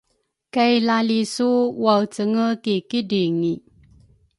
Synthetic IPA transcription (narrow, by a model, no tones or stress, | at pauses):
kajlalisuwawt͡səŋəkikidiŋi